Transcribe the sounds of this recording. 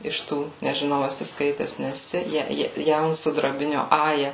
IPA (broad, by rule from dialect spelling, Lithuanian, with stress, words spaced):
ɪʃ ˈtuː nʲɛʒʲɪˈnɐʊ ɛˈsʲɪ ˈskɐɪtʲɛs nʲɛˈsʲɪ ˈjɛ ˈjɛ ˈjɛʊnsʊdrɐbʲɪnʲoː ˈɑːjɛ